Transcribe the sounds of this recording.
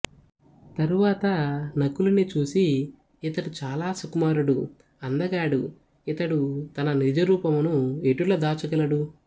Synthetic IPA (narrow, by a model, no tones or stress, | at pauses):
t̪ɐɾuʋaːt̪ɐnɐkːulɐnit͡ʃuːsiː | t̪ɐɽut͡ʃaːlaːsukumaːɾuɽu | ɐnd̪ɐɡaːɽu | it̪ɐɽut̪ɐnɐnid͡ʒɐɾuːpɐmunueʈulɐd̪aːt͡ʃuɡɐlɐɽu